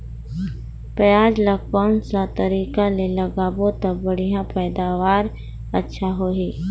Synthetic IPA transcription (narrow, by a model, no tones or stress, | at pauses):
pəjaːd͡ʒləkpansat̪əɾiːkaleləɡaːbot̪əbəɽ̤ijãpɛːd̪aːʋaːɾ | ətːʃʰaɦoːɦiː